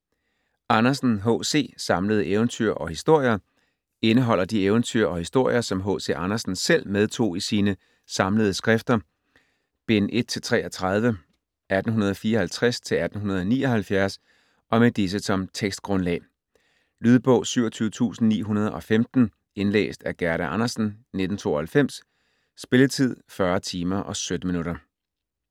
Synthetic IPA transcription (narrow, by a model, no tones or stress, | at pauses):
ɑ̈nɐsn̩ɦɔ̰se̝̰ːsɑ̈mləð̞̩ˠəʔeʊnt͡sʰy̰ɐ̰ʔɒ̽hisd̥o̝ɐ̰jɐ | e̝nəɦɒ̽l̰ɐd̥ieʊnt͡sʰy̰ɐ̰ɒ̽hisd̥o̝ɐ̰jɐsɒ̽mɦɔ̰̽ːse̝̰ːʔɑ̈nɐsn̩sel̰með̞ˠt͡sʰo̝̰ːisiːnə | sɑ̈mləð̞̩ˠsɡ̥ʁɛfd̥ɐ | b̥e̝nʔe̝d̥̚t͡sʰe̝lt͡sʰʁɛ̰ːʔɒt͡sʰʁɑð̞ˠʋə | ʔæd̥n̩ɦunɐð̞̩ˠɒ̽fiːɐɒ̽hælt͡sʰʁɛst͡sʰe̝læd̥n̩ɦunɐð̞ˠɒ̽nḭːɒ̽hælfjæɐs | ʔɒ̽med̥is̬əsɒ̽mt͡sʰeɡ̥sd̥̚ɡ̥ʁɔ̽nlɛ̰ː | lyːð̞ˠb̥ɔ̽ʊ̰syʊ̰ɐt͡sʰyːʊət͡sʰṵːsn̩nḭːɦunɐð̞ˠɒ̽femd̥n̩ | e̝nlḛːsd̥æɐɡ̥æɐɾæʔɑ̈nɐsn̩ned̥n̩t͡sʰo̝̰ːɒhælfem̰sː | b̥e̝lət͡sʰið̞̰ˠfɶɐt͡sʰiːmɐʔɒ̽sød̥əminuɾɐ